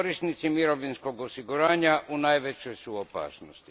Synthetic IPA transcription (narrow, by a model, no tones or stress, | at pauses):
oɾist̪nit̪simiɾoʋlinsko̞ɡosiɡuɾaːɲaʔunajʋet͡ɕojsuopa̰ːsnost̪i